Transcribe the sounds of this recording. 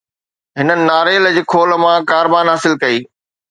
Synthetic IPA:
ɦɪnənɪ̆naːɾeːld͡ʑeːkʰoːl̆mãkaːɾbaːnɦaːsɪlkɐiː

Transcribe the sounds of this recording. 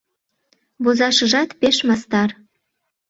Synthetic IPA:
βozɑʃɤ̆ʒɑt̪peʃmɑst̪ɑr

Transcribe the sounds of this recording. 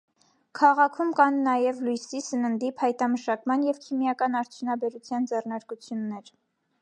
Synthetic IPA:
kʰɑʁɑkʰumkɑnːɑjɛvlujsisənənd̪ipʰɑjt̪ɑməʃɑkmɑnjɛvkʰimjɑkɑnɑɾt͡sʰjunɑbɛɾut͡sʰjɑnd͡zɛrnɑɾkut͡sʰjunːɛɾ

